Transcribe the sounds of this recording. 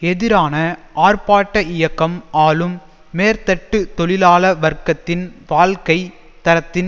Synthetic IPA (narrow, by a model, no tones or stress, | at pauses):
ɛðɪɾaːnɐʔaːrpaːʈːɐɪjɐkːɐmaːlɯmː | eːɾt̪ɐʈːɯt̪ɔɭɪlaːlɐʋɐɾkːɐt̪ːɪnʋaːlkɐɪ | t̪ɐɾɐt̪ːɪn